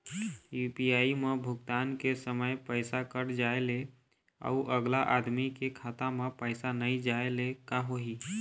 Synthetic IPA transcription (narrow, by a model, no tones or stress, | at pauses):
jupiaːimebʱʊɡt̪aːnkesəməjpəɪsakəɽd͡ʒaele | a̰uʔəɡlaʔad̪mikekʰaːt̪amepəɪsanəid͡ʒaelekaɦoɦi